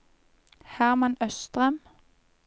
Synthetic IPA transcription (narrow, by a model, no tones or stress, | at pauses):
hæʁmɑnœst̪ʁɛm